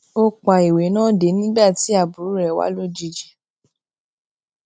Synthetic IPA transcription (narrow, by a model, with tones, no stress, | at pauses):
o˧k͡pa˨i˨we˨˦nãː˦de˨˦nĩ˦ba˦˨ti˨˦a˦˨bu˨ɾu˨˦ɾɛ˨wa̰˨˦lo˦˨d͡ʒi˧d͡ʒɛ˨